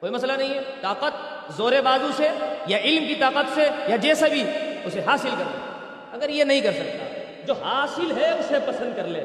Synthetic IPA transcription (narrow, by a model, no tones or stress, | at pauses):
koːimɐs̬lanɐɦĩɦɛːt̪aːqət̪̚ | zoːɾebaːzũsejaɪlmkit̪aːqət̪sejad͡ʒɛːsebʱiʊseɦaːsɪlkɐɾd̪aa | ɐɡəɾjenɐɦĩkɐɾsɐk̚t̪a̰ː | d͡ʒoːɦaːsɪlɦɛʊsepɐsə̃nd̪̚kɐɾlḛː